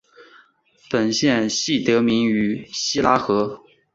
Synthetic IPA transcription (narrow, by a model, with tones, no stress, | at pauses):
pə˨˩nɕjɛ˥˧nɕi˥˩t̪ɤ˧˥mi˧˥ŋy˨˩ɕi˥la˥xɤ˧˥